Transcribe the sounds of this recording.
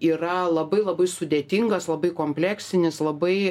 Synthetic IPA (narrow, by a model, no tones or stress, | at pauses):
iːrɐlˠɐbɐɪlˠɐbɐɪsʊd̪ʲeːt̪ʲiŋɡɐslˠɐbɐɪkoːmʲpʲlʲæːksʲɪnʲɪslˠɐbɐɪ